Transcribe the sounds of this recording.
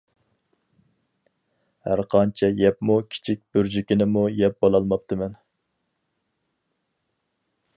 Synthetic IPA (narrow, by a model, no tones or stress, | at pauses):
hæ̰ɾqʰɑnt͡ʃʰɛjɛpmukʲʰi̥t͡ʃʰik̚ʲb̥yɾd͡ʒikʲinɪmujɛp̚bolˠɑlˠmɑp̚t̪ʰɨmɛn